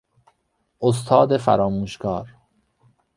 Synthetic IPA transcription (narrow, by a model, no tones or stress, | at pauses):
ʔos̬t̪ʰɒːd̪e̞fæ̰ɾɒːmuːʃkɒːɾ